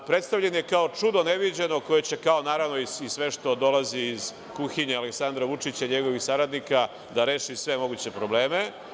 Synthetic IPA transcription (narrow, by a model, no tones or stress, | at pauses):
pɾe̞t̪st̪aʋʎenje̞kaot͡ʂud̪o̞ne̞ʋid͡ʑenoko̞je̞t͡ɕe̞kao̞naːɾaʋno̞iisʋe̞ʃt̪o̞d̪o̞laziːz | kuxiɲealeksand̪ɾaʋut͡ʂit͡ɕaiɲe̞ɡo̞ʋixsaɾad̪nika | d̪aɾe̞ːʃisʋe̞mo̞ɡut͡ɕe̞pɾo̞ble̞ːme